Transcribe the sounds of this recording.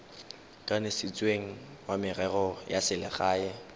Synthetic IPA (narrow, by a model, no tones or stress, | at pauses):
kʼanɪsɪt͡sʼweŋ̩ | wamɪrɛrɔjasɪlɪχaːɛ